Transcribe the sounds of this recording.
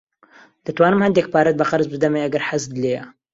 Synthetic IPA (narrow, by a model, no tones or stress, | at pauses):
d̪̥ɐt̪waːnɨmhɐnd̪ek̚paːɾɐt̪̚bɐqɑɾzbɨd̪ɐmejʔɐɡɐɾħazd̪ɨleːjɐ